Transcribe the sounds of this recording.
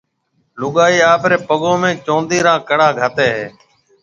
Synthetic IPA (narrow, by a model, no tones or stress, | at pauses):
lʊɠaːiːaːpɾeːpəɠõːmẽːt͡ʃõːnd̪iːɾãːkəɽaːɡʱət̪eːɦeː